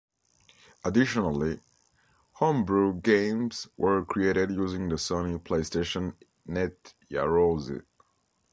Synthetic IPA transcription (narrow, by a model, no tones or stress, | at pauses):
ədɪʃɔnəlˠi | hʌ̃mbɹuɡẽɪ̃mz̥wʔə˞kʰɹieɪɾɪdjuzɪ̃ŋðəsonipʰl̥eɪsteʃə̃nː | ɛtja̰ɹozḭ